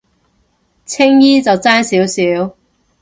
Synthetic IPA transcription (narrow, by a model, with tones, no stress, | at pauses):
t͡sʰɪ˥ŋjiː˥t͡sɐ˨wt͡saː˥nsiː˨˥wsiː˨˥w